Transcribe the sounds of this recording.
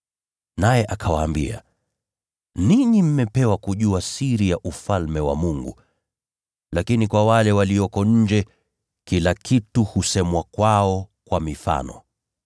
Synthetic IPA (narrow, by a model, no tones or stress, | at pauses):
najɛʔakʰawaːmbḭa̰ | niɲim̩mɛpɛwakuʄuasiɾijaʔufalmɛwa̰muŋɡṵ | lakinikwawalɛwaliɔkɔɲ̩d͡ʒɛ | kilakʰituhusɛmwakwaɔkwamifa̰nɔ̰